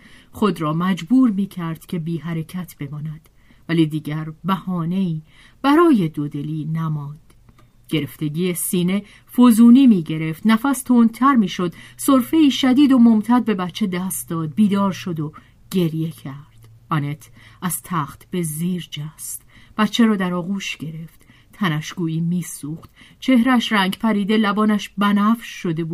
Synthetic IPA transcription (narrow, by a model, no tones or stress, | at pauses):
χo̞d̪ɾɒːmæd͡ʒbuːɾmiːcʰæɾd̪̥cʰe̞biːɦæɾe̞cʰæt̪ʰb̥e̞mɒːnæd̪̥ | væliːd̪iːɟæɾbæhɒːne̞iː | b̥æɾɒːje̞d̪od̪e̞liːnæmɒːnd̪̥ | ɟ̥e̞ɾe̞ft̪e̞ɟiːjesiːne̞ | fozuːniːmiːɟe̞ɾe̞ft̪næfæst̪ʰoːnt̪ʰæɾmiːʃo̞d̪̥so̞ɾfe̞iːʃæd̪iːd̪o̞mo̞mt̪ʰæd̪̚be̞bæt̪t͡ʃʰe̞d̪æst̪̚d̪ɒːd̪̚biːd̪ɒːɾʃo̞d̪o | ɟ̥e̞ɾje̞cʰæɾd̪̥ | ʔɒne̞t̪ʰ | æz̥t̪ʰæχt̪ʰb̥e̞ziːɾd͡ʒæst̪b̥æt̪t͡ʃʰːeɾɒːd̪æɾɒːɣuːʃɟ̥e̞ɾe̞ft̪ | t̪ʰænæʃɡuːiːmiːsuːχt̪t͡ʃʰe̞hɾææʃræŋɟpʰæɾiːd̪e̞læbɒːnæʃbænæfʃʃo̞d̪e̞buː